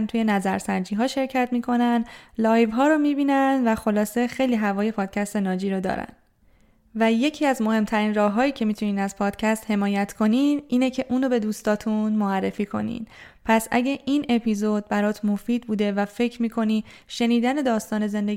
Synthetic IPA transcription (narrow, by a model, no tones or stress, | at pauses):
nt̪ʰuːje̞næzæɾsænd͡ʒiːɦɒːʃe̞ɾcʰæt̪ʰmiːkʰo̞nænd̪lɒːjvɦɒːɾomiːbiːnænd̪væxo̞lɒːse̞xe̞jliːɦævɒːje̞pʰɒːd̪̥̚cʰæst̪e̞nɒːd͡ʒiːɾod̪ɒ̰ːɾæ̰n | væje̞cʰiːæzmo̞he̞mt̪ʰæɾiːnrɒːɦːɒːjiːcʰe̞mit̪ʰuniːnæzpʰɒːd̪̥cʰæst̪he̞mɒːjæt̪ʰkʰo̞ninʔiːnecʰe̞ʔuːnobe̞d̪uːst̪ɒːt̪ʰunmoærːefiːkʰo̞̰nḭːn | pʰæsæ̰ɟeʔiːne̞pʰiːzod̪̚bæɾɒːt̪ʰmo̞fiːd̪̚buːd̪e̞væfe̞cʰɾmiːkʰo̞niː | ʃe̞niːd̪æne̞d̪ɒːst̪ɒːne̞ze̞nd̪e̞